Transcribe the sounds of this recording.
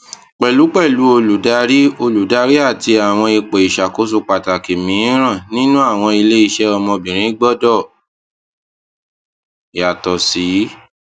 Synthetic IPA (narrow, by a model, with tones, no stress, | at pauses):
k͡pɛ˨lu˨˦k͡pɛ˦˨lu˨˦o˧lu˨da˧˦ɾi˦o˧lu˨da˧ɾi˦a˦˨ti˧a˨w̃ɔ̃˧i˧k͡pe˨i˨ʃa˨ko˨˦s̬u˦˨k͡pa˨ta˨ke˨mĩ˨˦ɾ̃ã˦˨nĩ˦nũ˦a˦˨w̃ɔ̃˧i˧le˦i˦˧ʃɛ˦ɔ˧mɔ̃˧bĩ˨ɾ̃ĩ˨˦ɡ͡bɔ˦dɔ˦˨ | a˨tɔ˨si˨˦